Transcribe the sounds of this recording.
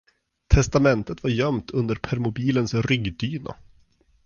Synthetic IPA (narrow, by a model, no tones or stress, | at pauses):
t̪ʰɛst̪amɛnt̪ət̪vaɾjœmt̪ʰɵnd̪əɾpʰæɾmʊbiːlənsɾʏɡd̪yːna̰